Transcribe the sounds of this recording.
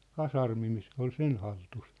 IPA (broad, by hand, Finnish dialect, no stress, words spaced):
kɑsɑrmi ni se ol sen hɑltus